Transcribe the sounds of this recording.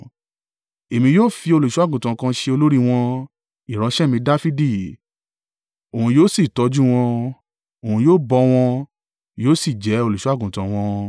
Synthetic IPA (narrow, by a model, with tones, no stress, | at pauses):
e˨mĩ˧joː˦fi˧o˧lo˨ʃu˦a˦˨ɡũ˨tã˨˧kã˧ʃe˧o˧lo˦ɾi˦w̃ɔ̃˧ | i˨ɾ̃ɔ̃˨˧˦ʃɛ˦mĩ˧da˦fi˦di˦˨ | o˨ũ˧joː˦si˦˨tɔ˧˦d͡ʒu˦w̃ɔ̃˧ | o˨ũ˧joː˦bɔ˧w̃ɔ̃˧ | joː˦si˦˨d͡ʒɛ˨˦o˧lo˨ʃu˨˦a˦˨ɡũ˨tã˨w̃ɔ̃˧